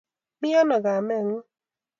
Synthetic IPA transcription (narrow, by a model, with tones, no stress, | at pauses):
mi˦a˦nɔ˨ɡa˨mɛ˦˨ŋ̩˦